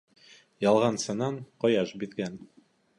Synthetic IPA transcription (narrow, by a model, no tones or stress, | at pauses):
jɑlˠʁɑnsɑnɑɴqɑjɑʃbiðɡæn